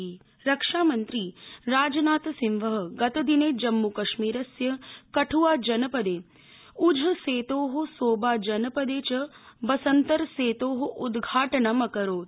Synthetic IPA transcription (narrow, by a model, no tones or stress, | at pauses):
ɾɐkʂaːmɐnt̪ɾiːɾaːd͡ʒɐnaːt̪ɐsimʋɐɦɐ̆ɡɐt̪ɐd̪ineːd͡ʒɐmːukɐʃmiːɾɐsjɐkɐʈʰuʋaːd͡ʒɐnɐpɐd̪eː | ud͡ʒʱɐseːt̪oːɦusoːbaːd͡ʒɐnɐpɐd̪eːt͡ʃɐbɐsɐnt̪ɐɾseːt̪oːɦɐʔud̪ɡʱaːʈɐnɐmɐkɐɾoː